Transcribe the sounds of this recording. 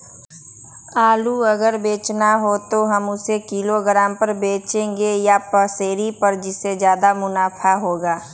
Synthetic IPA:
aːluɐɡəɾbeːt͡ʃnaɦot̪oɦɐmʊsekiloɡɾaːmpɐɾbeːt͡ʃẽːŋɡejapəseːɾipɐɾd͡ʒɪsːed͡ʒjaːd̪amʊnaːpʰaɦoːɡaː

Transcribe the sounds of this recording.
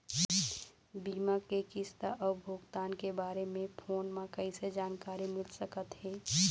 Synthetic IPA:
biːmakekɪst̪aʔɔːɾbʱʊɡt̪aːnkebaːɾemẽpʰoːnmãkɐised͡ʒaːnkaːɾimɪlsəkət̪ɦɛː

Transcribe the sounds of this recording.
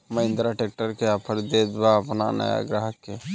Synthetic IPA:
məɪ̃nd̪ɾaʈek̚ʈəɾkeəpʰəɾd̪ed̪baəpna̰nə̰ja̰ɡɾəɦke

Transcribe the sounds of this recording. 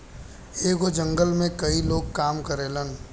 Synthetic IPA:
eːɡod͡ʒə̃ŋɡəlmẽkɐiloːɡ̚kaːmkəɾeːlən

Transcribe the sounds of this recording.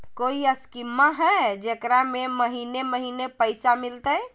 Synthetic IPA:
koiəskimːaɦɛd͡ʒekɾameməɦineməɦinepəjsamilt̪əj

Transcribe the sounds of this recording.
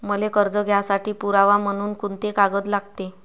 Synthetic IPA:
məlekəɾd͡zəɡʱjasaʈiːpuɾaʋam̤əñuːnkunt̪ekaɡət̪laɡt̪e

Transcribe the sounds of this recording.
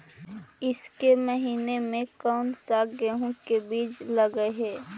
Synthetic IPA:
ɪskeməɦiːnemẽkɔːnsaɡəɦũkebiːt͡ʃləɡəeɦɛː

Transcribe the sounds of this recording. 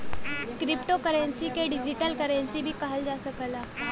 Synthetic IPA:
kɾipʈokəɾensikeɖid͡ʑiʈəlkəɾensibʱiːkaɦəld͡ʑasəkəla

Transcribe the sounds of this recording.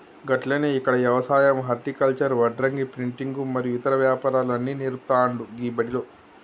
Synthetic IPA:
ɡɐʈlɐːneːikːɐɽɐʋjɐʋɐsaːjɐmɦɐɾʈikɐlt͡ʃɐɾʋɐɖɾɐŋɡipɾiɳʈiŋɡumɐɾijuit̪ɐɾɐʋjaːpaːɾaːlɐnːineɾpt̪aːɳɖuɡiːbɐɽiloː

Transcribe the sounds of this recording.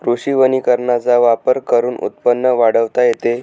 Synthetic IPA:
kɾuɕiʋənikəɾɳat͡saʋapəɾkəɾuːnʔṵt̪̚pənːəʋaɽəʋt̪ajet̪e

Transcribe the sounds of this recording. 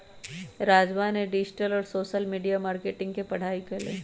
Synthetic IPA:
ɾaːd͡ʒʋaːneɖɪd͡ʒʈəlɔːɾsoːʃəlmiːɖijamaːɾkeːʈɪ̃ŋɡkepɐɽ̤aːikelḛː

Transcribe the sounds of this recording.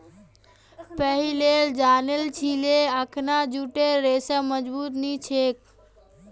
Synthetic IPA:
pəɦileld͡ʒanelt͡ʃʰileəkʰnad͡ʒuʈeɾesəməd͡ʒbut̪nit͡ʃʰek̚

